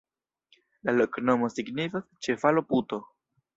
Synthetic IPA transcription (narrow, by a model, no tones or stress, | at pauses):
lalokno̞mo̞siɡnifast͡ʃe̞falo̞put̪o̞